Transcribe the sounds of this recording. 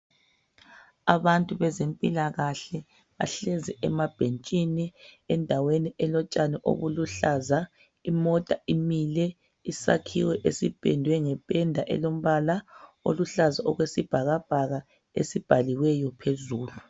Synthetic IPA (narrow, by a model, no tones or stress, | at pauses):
aβantʼuβɛzempʼilaɣaɬɛ | βa̰ɬɛzɛɛmab̥ʱent͡ʃʼiniɛndʱaweniʔɛlɔt͡ʃʼanɛʔo̰βuluɬaːza | imɔtʼaimilɛ | isa̰kʰiwɛʔesib̥ʱɛ̰ndʱwɛŋɛb̥ʱɛndʱaʔɛ̰lom̩βalao̰luɬazaʔɔɣwesib̥ʱaɣab̥ʱaɣa | ḛsib̥ʱaliwɛjɔpʰezuːlu